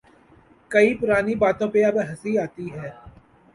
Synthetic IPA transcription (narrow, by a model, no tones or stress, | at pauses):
kɐipʊɾaːnibaːt̪õpeɐbɦɐsiaːt̪iɦɛː